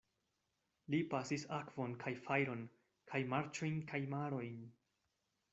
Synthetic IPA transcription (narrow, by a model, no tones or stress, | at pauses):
lipasisakvo̞nkʰajfajɾo̞n | kʰajmaɾt͡ʃo̞jnkajmaɾo̞jn